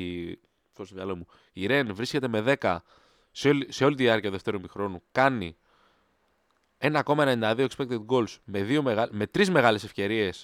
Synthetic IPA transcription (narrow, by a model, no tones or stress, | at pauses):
i | θost̪oðiɐlomu | iɾe̞nvɾisce̞t̪e̞me̞ðe̞kɐ | sose̞o̞lit̪iɐɾcɐuðe̞ft̪e̞ɾumixɾo̞nukɐni | e̞nɐko̞mɐenenind̪ɐðio̞ekspekt̪et̪̚ɡo̞lsme̞ðio̞meɣɐme̞t̪ɾizme̞ɣɐle̞sefce̞ɾie̞s